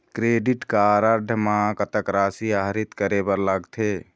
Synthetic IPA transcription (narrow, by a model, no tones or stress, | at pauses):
kɾeɖiʈkaɾəɾɖʱəmakət̪əkɾaːsiaɦɾit̪kəɾebəɾləɡt̪ʰe